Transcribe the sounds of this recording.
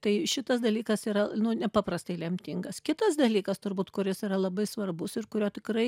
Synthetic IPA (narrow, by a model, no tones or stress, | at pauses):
t̪ɐɪʃʲɪt̪ɐsd̪ɐlʲiːkɐsiːɾɐnʊnʲɛpɑːpɾɐst̪ɐɪlʲɛmʲt̪ʲɪŋɡɐskʲɪt̪ɐsd̪ɐlʲiːkɐst̪ʊɾbuːt̪kʊɾʲɪsiːɾɐlˠɐbɐɪsʋɐrbʊsɪrkʊɾʲoːt̪ʲɪkɾɐɪ